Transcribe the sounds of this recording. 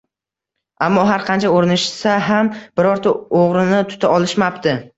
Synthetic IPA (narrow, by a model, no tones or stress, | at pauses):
amːɒɦaɾqʰɑnt͡ʃʰaoɾɪnɪʃsaɦamb̥ɪɾɒɾt̪ʰaoʁɾɪnɪt̪ʰʊ̥t̪ʰaɒlˠɪʃmapt̪ʰɪ